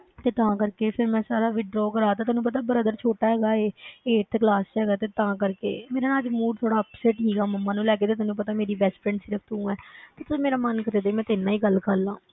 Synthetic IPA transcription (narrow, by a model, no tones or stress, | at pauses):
t̪eːt̪ãːkəɾkeːpʰɪɾmɛ̃ːsaːɾaːʋɪɖɾɔːkəɾaːt̪aːt̪ːnũːpət̪̬aːbəɾəd̪əɾt͡ʃʰoːʈaːɦɛːɡaːeːeːʈt̪ʰklaːsɦɛːɡaːt̪eːt̪ãːkəɾkḛːmeːɾaːnaːd͡ʒmuːɖt̪ʰoːɽaːpsɛːʈsiːɡaːməmːãːnũːlɛːk̬eːt̪̬eːt̪oːnũːpət̪aːmeːɾiːbɛsʈpʰɾɛ̃ɳɖsɪɾəpʰt̪ũːɛːt̪eːt̪ʊsĩːmeːɾaːmənkət̪eːd̪eimɛ̃ːt̪ɪnãːiːɡəlkəɾlãː